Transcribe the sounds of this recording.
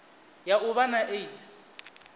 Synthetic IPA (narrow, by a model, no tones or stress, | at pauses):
jaʔʊβanaʔeitʼʰi̥